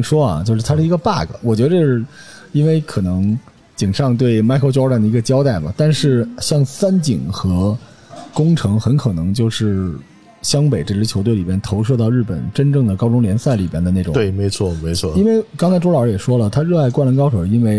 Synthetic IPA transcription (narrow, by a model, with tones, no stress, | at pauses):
ŋʂwɔ˥ɐ̰˨˩t͡ɕjo˥˧ʂɻ̩˥˩t̪ʰʂɻ̩˥˩i˧˥ɡə˧pa̰˥˩ɡə̰˩wɔ˨˩t͡ɕɥɛ˧˥d̪ə˧ə˥˧ʂɻ̩˥˩i˥nwe˥˩ɪkʰɤ˨˩nɤ˧˥ŋ | t͡ɕi˨˩ŋʂɑ˥˧ŋt̪we˥˩ɪma˥ɪkʰo˥˧ʊʈ͡ʂɑ˥ʊʈ͡ʂa˥˩nd̪ə˩i˧˥ɡə˧t͡ɕjɑ˥ʊt̪a˥˩ɪbɐ̰˩t̪a˥˧nʂɻ̩˥˧ɕjɑ˥˩ŋsa˥nt͡ɕi˨˩ŋxɤ˧˥ | kʊ˥ŋʈ͡ʂʰɤ˧˥ŋxə˧˥nkʰɤ˨˩nɤ˧˥ŋt͡ɕjo˥˧ʊʂɻ̩˥˩ | ɕjɑ˥ŋpe˨˩ɪʈ͡ʂe˥˩ʈ͡ʂɻ̩˥t͡ɕʰjo˧˥t̪we˥˩ɪli˨˩jɛ˥nt̪ʰo˧˥ʊʂ̬ɤ˥˧t̪ɑ˥˧ʊɻ̩˥˩pə̰˨˩nʈ͡ʂə˥nʈ͡ʂɤ˥˩ŋd̪ə˩kɑ˥ʊʈ͡ʂʊ˥ŋljɛ˧˥nsa˥˩ɪli˨˩bjɛ˥nd̪ə˧na˥˩ʈ͡ʂʊ̰˨˩twe˥˩me˧˥ɪt͡sʰwɔ˥˩me˧˥ɪt͡sʰwɔ˥˧˨i˥nwe˥˩ɪkɑ˥ŋkʰɑ˥ʈ͡ʂu˥ɑ˨˧˥jɛ˨˩ʂwɔ˥lə˨t̪ʰa˥ɻɤ˥˧a˥˧ɪkwa˥˩nlə˧˥kɑ˥ʊʂo˨˩i˥nwe˥˩ɪ